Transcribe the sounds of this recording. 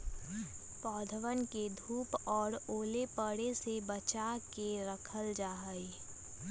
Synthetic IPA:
pɔːd̪ʱəʋənked̪ʱuːpɔːɾoːlepəɽesebət͡ʃakeɾəkʰəld͡ʒaːɦəi

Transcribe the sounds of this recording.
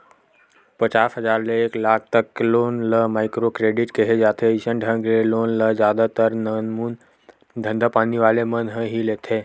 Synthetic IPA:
pət͡ʃaːsɦəzaːɾleːklaːk̚ʰt̪əkːloːnləmaːɪkɾokɾeːɖɪʈkeɦed͡ʒaːt̪ʰeisənɖʱə̃ŋɡleloːnləd͡ʒjaːd̪at̪əɾnənmuːn | d̪ʱə̃nd̪ʱəpaːniʋaːlemənɦəɦileːt̪ʰe

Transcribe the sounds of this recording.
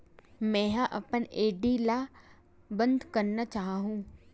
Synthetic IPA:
mɛ̃ːɦãʔɐ̰pəneːɖila | bə̃nd̪ʱkɐɾnat͡ʃaːɦaɦũː

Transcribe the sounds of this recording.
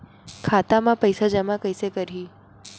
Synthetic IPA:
kʰat̪amãpəjsad͡ʒəmãkəjsekəɾɦiː

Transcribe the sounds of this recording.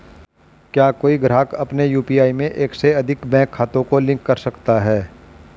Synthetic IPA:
kjaːkoːiɡɾaːkɐpnejuːpiːaːimẽʔeːkseɐd̪ʱɪkbɛ̃ːkʰːaːt̪õkolɪ̃ŋkːɐɾsɐkt̪aɦɛː

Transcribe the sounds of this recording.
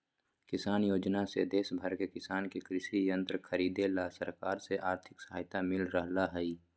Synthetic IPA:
kɪsaːnjoːd͡ʒnasḛd̪eːsbʱəɾkekɪsaːnkekɾɪʃijə̃nt̪ɾəkʰəɾiːd̪elasəɾkaːɾseʔaːɾt̪ʰɪ̥ksəɦaːjt̪amɪlɾəɦlaɦɛi

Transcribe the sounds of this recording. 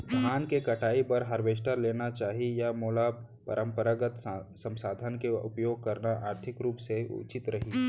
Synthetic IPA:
d̪ʱaːnkekɐʈʰaːipɐɾɦɐɾʋeːʃ̬ʈəɾleːnat͡ʃaːɦijamoːla | pɐ̰ɾə̃mpəɾaɡət̪sɐ̃msaːd̪ʱənkeʊpjoːɡ̚kɐɾnaʔaːɾt̪ʰɪkɾuːpseʊ̰t͡ʃɪt̪ɾɐɦiː

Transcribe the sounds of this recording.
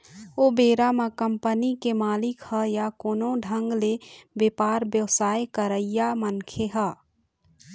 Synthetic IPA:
obeːɾamakəmpənikemaːlɪkhəjakoːnõɖʱə̃ŋɡlebepaːɾbjəwsaːjkəɾəijamənkʰeɦə

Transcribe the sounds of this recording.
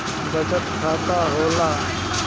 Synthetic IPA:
ɡɐd͡ʒət̪kʰaːt̪aːɦoːlaː

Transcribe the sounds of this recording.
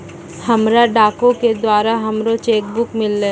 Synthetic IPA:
hɐmɾaɖaːkõked̪waːɾaɦɐmɾot͡ʃeːkbʊkmɪlːeː

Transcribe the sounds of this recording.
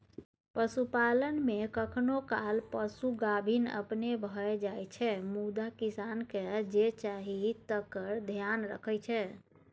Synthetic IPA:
pəsupalənmekəkʰnokalpəsuɡabʱinə̰pnebʱəed͡ʒajt͡ʃʰɛmud̪akisanked͡ʒet͡ʃaɦit̪əkəɾd̪ʱjanɾə̰kʰəjt͡ʃʰɛ

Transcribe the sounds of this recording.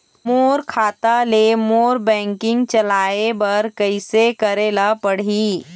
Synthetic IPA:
moːɾkʰaːt̪alemoːɾbɛ̃ːŋkɪ̃ŋɡt͡ʃɐlaːebɐɾkɐɪsekɐɾeːlapɐɽ̤iː

